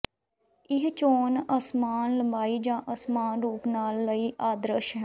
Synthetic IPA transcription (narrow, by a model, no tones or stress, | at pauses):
ɪɦt͡ʃoːnəsmaːnləmbaːiːd͡ʒãːʔəsmaːnɾuːpnaːlːəiːʔaːd̪ɾəʃɦɛ